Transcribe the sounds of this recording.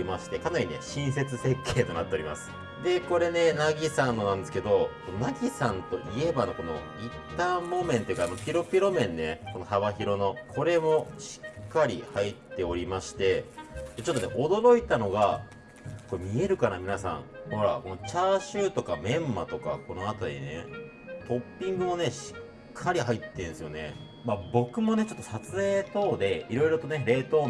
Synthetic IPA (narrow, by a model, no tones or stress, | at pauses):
maɕi̥t̪e̞kanaɾʲine̞̰ɕĩɰ̃se̞t͡sɨse̞kʰːe̞ːt̪o̞nat̪ːe̞oɾʲima̰sɨ̥ | d̪e̞ko̞ɾe̞ne̞naɡʲisãnːo̞nãnd̪esɨ̥ke̞d̪o̞kononaɡʲisãnt̪o̞ʔie̞bano̞ko̞no̞̰ | ĩt̪ːaːmo̞mẽ̞nt̪oji̟kanopʲiɾo̞pʲiɾo̞mẽ̞nːe̞ko̞no̞haβaçiɾo̞no̞kʰo̞ɾe̞mo̞ɕi̥kːaɾʲihait̪ːe̞o̞ɾʲimaɕi̥t̪e̞d̪̥e̞t͡ɕo̞t̪ːonḛʔo̞d̪o̞ɾo̞it̪ano̞ɡa | ko̞mʲie̞ɾɯ̟kanamʲinasã̰ŋho̞ɾa̰ko̞not͡ɕaːɕɨːt̪o̞kamẽ̞mːa̰t̪o̞ka̰ko̞no̞at̪aɾʲḭne̞̰ | t̪o̞pʲːĩŋɡɯ̟mo̞ne̞ɕi̥ | kʰːaɾʲiɦait̪ːẽ̞ɰ̃sɨjo̞ne̞̰ | mabo̞kɯ̟mo̞ne̞t͡ɕo̞t̪ːo̞sat͡sɨe̞ːt̪o̞ːd̪e̞iɾo̞iɾo̞t̪o̞ne̞ɾe̞ːt̪o̞ː